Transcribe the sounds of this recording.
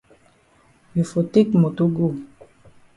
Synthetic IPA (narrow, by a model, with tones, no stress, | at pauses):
ju˨fo˨te˦kmo˨to˦ɡo˦˨